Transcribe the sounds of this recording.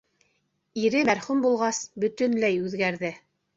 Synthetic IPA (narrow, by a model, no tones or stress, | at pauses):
iɾɘmæɾχʉmbulˠʁɑsbɵ̆t̪ɵ̆nlæjʉðɡæɾðɘ